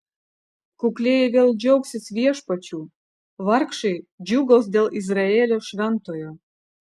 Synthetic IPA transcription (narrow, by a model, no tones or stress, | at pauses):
kuklʲejeβeld͡ʑowksʲet͡sβʲieʃpɑt͡ɕu | βɑrkʃid͡ʑuɡozd̪elizrɑelʲoʃrɑnt̪ojo